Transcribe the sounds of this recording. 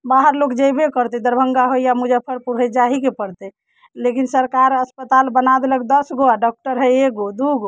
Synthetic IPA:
baɦəɾlokd͡ʒəjbekəɾt̪ɛd̪əɾbʱəŋɡaɦojamud͡ʒəpʰəɾpuɾɦɛd͡ʒaɦikepəɽt̪ɛ | lekinsəɾkaɾəspət̪albənad̪eləkd̪əsɡoaɖɔk̚ʈəɾɦɛek̚ɡod̪uɡo

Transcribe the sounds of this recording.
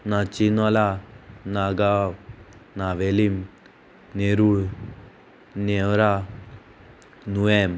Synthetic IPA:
nat͡ʃinɔlanaɡa | naʋelim | neɾuɭ | newɾa | nuɛm

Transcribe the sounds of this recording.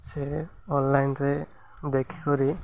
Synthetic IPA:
se | ɔnlajnɾe | d̪ekʰi̥kɔɾi

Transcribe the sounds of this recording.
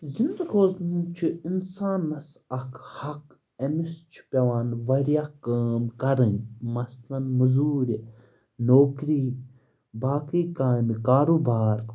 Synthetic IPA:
zind̪ɾoːznut͡ʃʰiinsaːnːɐs | ɐkʰhɐk | ɐmist͡ʃʰi̥pʲɐʋaːnʋɐɾijaːkaːmkɐɾɨnmɐslɐnmɐzuːɾʲ | noːkɾiː | baːkiːkaːmkaːɾobaːɾ

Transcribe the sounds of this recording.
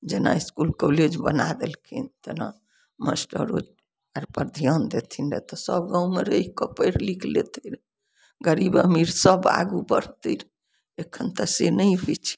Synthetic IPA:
d͡ʒena̰iskulkoled͡ʒbə̰nad̪elkʰḭnt̪əna | mə̰sʈə̰ɾo̰d͡ʒ | aɾpəɾd̪ʱijɔnd̪et̪ʰinɾet̪ɔsəbɡãumeɾəikɔpəɾlikʰlet̪ʰəɾ | ɡəɾibəmiɾsəba̰ɡubəɾ̤t̪əɾ | ekʰənt̪əsenəjɦot͡ʃʰi̥

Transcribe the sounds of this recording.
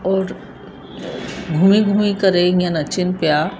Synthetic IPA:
ɔːɾ | ɡʱuːmiɡʱuːmikəɾeːjãnɐt͡ʃɪnpjaː

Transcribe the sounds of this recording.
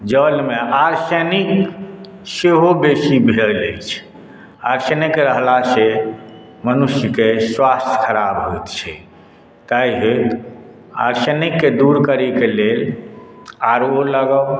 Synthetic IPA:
d͡ʒəlmeʔaɾsənik | seɦobesibʱeɾlət͡ʃʰ | aɾsənikɾəɦlase | mənuʃjəkeswast̪ʰjə̥kʰəɾabɦojt̪t͡ʃʰɛ | t̪aiɦet̪ | a̰ɾsənikːed̪uɾkəɾikelel | aɾoləɡə

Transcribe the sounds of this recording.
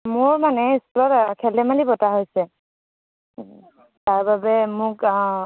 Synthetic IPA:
mʊɹmanɛisklɔtkʰɛlɛmalibɔtaɦojsɛ | taɹbabɛmʊk

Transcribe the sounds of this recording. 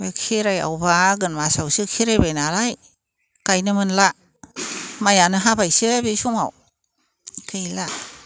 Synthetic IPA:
bekʰiɾaja̰wbaɡɯnmasawsɯkʰiɾajbajnaɾaj | kajnɯmɯnla | majanɯɦabajsɯbisuma̰w | kʰɯjla

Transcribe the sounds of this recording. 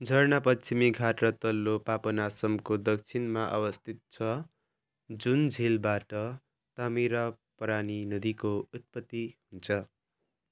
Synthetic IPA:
d͡zʱʌrnapʌt͡ʃimiɡʱaʈrʌt̪ʌlːopapʌnasʌmkod̪ʌk̚t͡sʰinmaʔʌ̰wʌst̪ʰit̪̚t͡sʰʌ | d͡zund͡zʱilbaʈʌ | t̪amiɾapʌɾaninʌd̪ikout̪̚pʌt̪ːihunt͡sʰʌ

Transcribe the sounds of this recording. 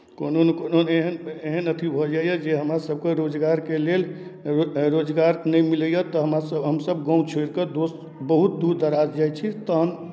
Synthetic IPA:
kononkononeɦəneɦənət̪ʰibʱɔd͡ʒajəd͡ʒeɦəmɾasəb̚keɾod͡ʒɡaɾkelel | ɾod͡ʒɡaɾnəjmiləjət̪ɔɦəmɾasəbɦəmsəb̚ɡɔ̃ũt͡ʃʰoɾkəd̪os | bəɦut̪̚d̪uɾd̪əɾad͡ʒd͡ʒajt͡ʃʰit̪əɦən

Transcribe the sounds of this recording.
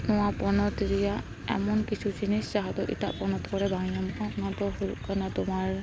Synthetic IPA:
nʊwapɔnɔtiɹija | ɛ̰mɔnkisʰuziniszaɦɔtɔʔḭta̰ʔpɔnɔtkɔɹɛbaŋiɔmkɔ̃nɔtɔhuṵkanɔtʊmaɹ

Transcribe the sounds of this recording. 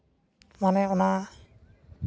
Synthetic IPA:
manɛɔna

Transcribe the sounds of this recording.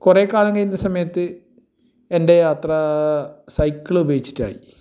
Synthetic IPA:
kure̞ːkːaːlɐŋɡɐjnːɐsɐmɐjɐt̪ːɨ | e̞nde̞jaːt̪rɐ | sɐjkːɐɭubɐjit͡ɕːi̥tːa̰ːji

